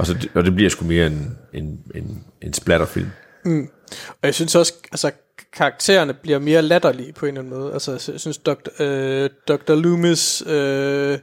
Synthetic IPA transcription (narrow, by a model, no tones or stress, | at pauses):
ʔɒsɒdeɒd̥eb̥liɐ̰sɡ̥ume̝ːɐe̝ne̝ne̝ne̝nsb̥læɾ̥ɐfḭl̰m̩ː | ɒjäɪsynsɒ̽sælsə | kʰɑ̈ɑɡ̥̚t͡sʰe̝̰ːɐnəb̥liɐme̝ːɐlæd̥ɐlipʰɒ̽e̝ːnlæn̩mɔ̽ːð̞̩ˠʔælsəjasynsd̥ɒɡ̥̚d̥ | d̥ɒ̽ɡ̥̚d̥ɐlumesø